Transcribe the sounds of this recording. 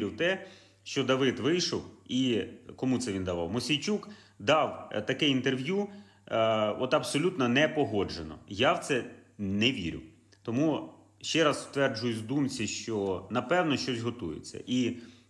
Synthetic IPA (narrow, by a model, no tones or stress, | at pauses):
ɾʲɪwt̪ɛ | ʃt͡ʃɔd̪ɐʋɪd̪ʋɪjʃɔwikɔmut̪sɛʋʲind̪ɐʋɑ̰wmɔsʲijt͡ʃuk | d̪ɑwt̪ɐkɛint̪erʋju | ɔt̪ɐbsɔlʲut̪nɔnɛpɔɦɔd͡ʒenɔ̰jawt̪sɛnɛʋʲḭɾʲʊ̰ | t̪ɔmu | ʃt͡ʃɛɾɑsst̪ʋɛrd͡ʒʊjʊzʲd̪umt͡sʲiʃt͡ʃɔnɐpɛwnɔʃt͡ʃɔsʲɦɔt̪ujḛt͡sʲːɐ̰ʔi